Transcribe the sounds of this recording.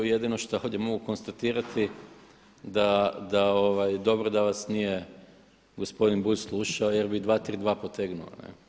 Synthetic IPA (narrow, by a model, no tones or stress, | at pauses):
ujed̪ino̞ʃt̪ao̞d̪ʲjemo̞ɡuko̞nst̪at̪iːɾat̪ʰi | d̪ad̪aoʋajd̪o̞bɾod̪aʋasnije̞ | ɡo̞spo̞d̪inbuʎslˠuʃaoje̞ɾbid̪ʋaːt̪ɾiːd̪ʋaːpo̞t̪eɡnṵo̰nḛ